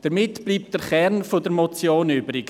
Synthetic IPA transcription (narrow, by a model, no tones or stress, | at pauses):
d̥əɾmɪtb̥liːp̚tdəχɛrnfodəɾmɔt͡sjoːnʏbɾiɡ